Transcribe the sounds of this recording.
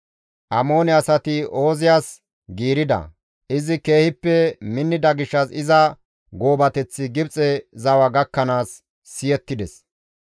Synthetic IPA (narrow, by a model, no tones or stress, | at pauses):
ʔɐmo̞ːnɛɐsɐt̪ɪo̞ːzɪjaːs | ɡiːɾɪd̪ɐ̰ | ʔɪzɪke̞ːhɪpːɛmɪnːɪd̪ɐɡɪʃːɐsɪzɐ | ɡo̞ːbɐt̪ɛt͡sːɪɡɪbt͡sʼɛzɐwɐɡɐkːɐnaːsː | ɪjɛt̪ːɪd̪ɛs